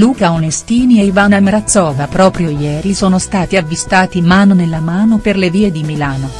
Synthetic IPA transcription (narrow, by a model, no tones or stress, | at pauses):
luːkaonest̪iːnieivanameɾat̪sːɔːvapɾɔːpɾjojɛːɾisoːnost̪aːt̪iavːist̪aːt̪imaːnonelːamaːnoperleviːed̪imilaːno